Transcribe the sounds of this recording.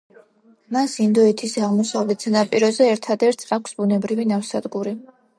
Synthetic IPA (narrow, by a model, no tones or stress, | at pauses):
masind̪ɔɛt̪ʰisaʁmɔsavlɛt̪z̥ɛnapʼiɾɔzɛːɾt̪ʰad̪ɛɾt̪sʰakʷʰsbunɛbɾivinafsad̪ɡuɾi